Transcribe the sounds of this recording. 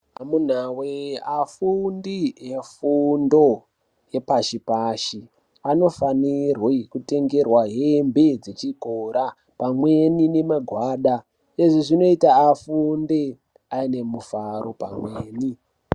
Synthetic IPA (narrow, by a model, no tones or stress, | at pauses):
amun̤aweafundijefundo̞ | je̞paʃipaʃi | ano̞fanirwekute̞ŋɡe̞rwaɦembed͡zet͡ʃiɡʱoɾa | pamwe̞nine̞maɡʱwaːɗa | eʐiʐino̞itaːfunde | aine̞mufaɾo̞pa̰mweːni